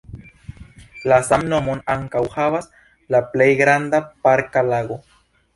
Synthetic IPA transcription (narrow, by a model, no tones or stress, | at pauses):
lasamno̞mo̞naŋkawhavas | laplejɡɾand̪apaɾkalaɡo̞